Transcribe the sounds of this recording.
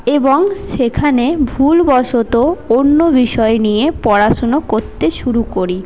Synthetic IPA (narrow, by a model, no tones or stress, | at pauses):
eboŋʃekʰanebʱulbɔʃot̪oonːobiʃɔenijepɔɾaʃonokoɾt̪eʃuɾukoɾi